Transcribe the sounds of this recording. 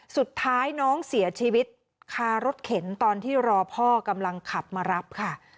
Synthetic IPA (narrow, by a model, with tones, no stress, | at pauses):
su˨˩t̪ʰːaː˦˥jnɔː˦˥ŋsi˩˦ɐt͡ɕʰiː˧wi˦˥t̪̚ | kʰaː˧ɾo˦˥t̪̚kʰe˩˦nt̪ɔː˧nt̪ʰiː˥˩ɾɔː˧pʰɔː˥˩ka˧mla˧ŋkʰa˨˩p̚maː˧ɾa˦˥p̚kʰa˥˩